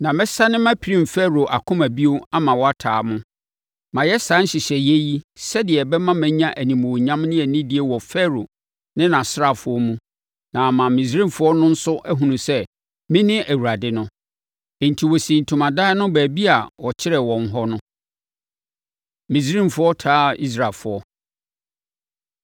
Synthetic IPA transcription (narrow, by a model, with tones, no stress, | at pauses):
nã˨mɛ̃˦sa˦nɪ̃˦mã˦pʰi˨ɾĩ˦˨m˨fɛ˦ɾo˨ʔa˨kʰʊ̃˦mæ˨bi˦o˦a˦mã˨wɔ˦a˦tʰaː˨mʊ̃˦ | mã˨jɛ˦sã˨˦n̩˦ɕɪ˨ɕɛ˨jɛ˦ji˦sɛ˦dɪ˨ɛ˨bɛ˦mã˦mæ̃˨ɲã˦ʔæ˨nĩ˨mʊ̃˨wo˨ɲã˦mnɪ̃˦æ˨nɪ̃˦dɪ˨ɛ˨wɔ˨fɛ˦ɾo˨ | nɪ̃˦nã˨sɾa˦˨fʊ˦ɔ˦mũ˦ | nã˨mã˨mĩ˨s̬ɾĩ˦mfʊ˦ɔ˦nʊ̃˦n̩˦sʊ˦ʔæ˦ɦũ˨nũ˨sɛ˦ | mɪ̃˦nɪ̃˦ʔæ˨wu˨ɾa˨dɪ˦nʊ̃˦˨ | n̩˨tʰi˨wɔ˨sĩ˨n̩˨tʰʊ̃˨mã˨da˦ɪ˦nʊ̃˦bæː˨bi˦a˨wɔ˨t͡ɕʰɪ˦ɾɛ˨wɔ̃˨n̩˦ɦɔ˦nʊ̃˦ | mĩ˨s̬ɾĩ˦mfʊ˦ɔ˦tʰaː˦i˦s̬ɾa˨fʊ˨ɔ˦